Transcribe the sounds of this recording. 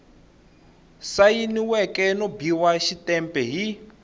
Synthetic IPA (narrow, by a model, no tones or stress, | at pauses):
sajiniwɛkɛnobiwaʃitɛmpʼɛɦi